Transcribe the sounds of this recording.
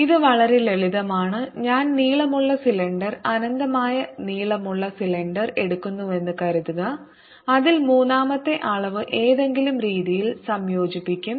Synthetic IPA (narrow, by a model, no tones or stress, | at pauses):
iðɨʋɐɭɐɾele̞ɭiðɐmaːɳɨɲaːnniːɭɐmuɭːɐsileɳɖɐrɐnɐnd̪ɐmaːjɐniːɭɐmuɭːɐsileɳɖɐre̞ɽukːunːue̞nːɨkɐɾuðuɣɐ | ɐðilmuːnːaːmɐt̪ːe̞ʔaːɭɐʋɨʔe̞ːðe̞ŋɡilumɾiːðijilsɐmjo̞ːd͡ʑipːikʲːum